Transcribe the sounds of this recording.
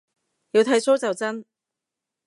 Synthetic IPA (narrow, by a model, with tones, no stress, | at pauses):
jiː˨˧wt̪ʰɐ˧˥jso˥wt͡sɐ˨wt͡sɐ˥n